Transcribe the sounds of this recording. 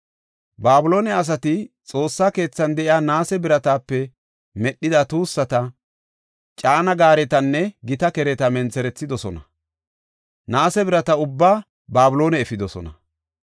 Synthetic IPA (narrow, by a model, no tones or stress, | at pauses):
baːbʊlo̞ːnɛɐs̬ɐt̪ɪt͡sʼo̞ːsːaːke̞ːt͡sːɐnd̪ɛʔɪjaːnaːsɛbɪɾɐt̪aːpːɛ | mɛɗːɪd̪ɐt̪uːsːɐt̪ɐ | t͡ʃʼaːnɐɡaːɾɛt̪ɐnːɛɡɪt̪ɐkɛɾɛt̪ɐmɛnt͡sɛɾɛt͡sːɪd̪ɔsɔnɐ | naːsɛbɪɾɐt̪ɐʊbːaː | baːbʊlo̞ːnɛːfɪd̪ɔsɔ̰nɐ